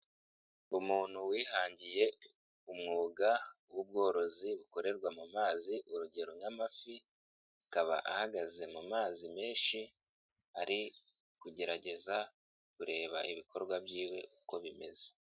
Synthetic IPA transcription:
umuːn̥huwiːhaːɲɟije̞ | umŋuːɡawub̚ɡo̞ːɾo̞ziβuko̞ɾe̞ɾɡwamumaːziʔuɾuɟe̞ɾoɲamafi | akaβa̰ʔa̰haɡaze̞mumaːzime̞ːnʃi | aɾi | kuɟe̞ɾaɟe̞za | kuɾe̞ːβa̰ʔiβikʰo̞ɾɡwabjiːwe̞̰uko̞βime̞ze̥

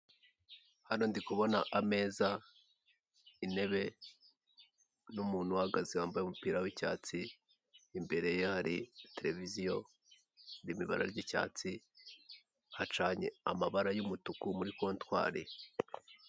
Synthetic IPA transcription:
hano̞ndikuβo̞naʔame̞ːza | ine̞βe̞ | numuːn̥huwaɡaziwaːmbajumupiːɾawica̰ːt͡siː | mbe̞ɾe̞jehaɾite̞ɾe̞vizijo̞ | ndimiβa̰ɾa̰ɾɟica̰ːt͡si | hat͡ʃaːɲḛamaβaɾajumutukumuɾikwontwa̰ːɾḭ

